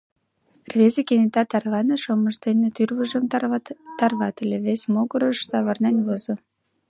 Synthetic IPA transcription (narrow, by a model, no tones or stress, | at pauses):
rβezekenet̪ɑt̪ɑrβɑnə̆ʃoməʒd̪enet̪yrβəʒə̆mt̪ɑrβɑt̪ə̆lʲeβesmoɡəɾəʃsɑβɑrnenβozo